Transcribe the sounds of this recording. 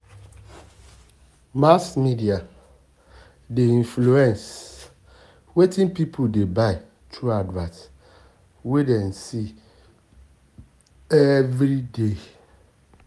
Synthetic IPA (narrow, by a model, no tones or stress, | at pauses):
masmidia | deĩnfluɛ̃ns | wetʰĩnpipʰodebaɪ | tʰɾuadwat | wedɛ̃nsi | ɛvɾide